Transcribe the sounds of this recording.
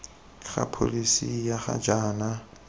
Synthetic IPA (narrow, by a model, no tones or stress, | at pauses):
χa̰pʰo̰lisijaχa̰d͡ʒaːna